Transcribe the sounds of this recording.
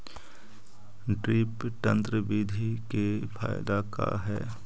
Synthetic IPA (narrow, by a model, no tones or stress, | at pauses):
ɖɾiːpʈ̪ə̃nt̪ɾəbiːd̪ʱikefʰaːɪd̪aka̰ɦɛ̰ː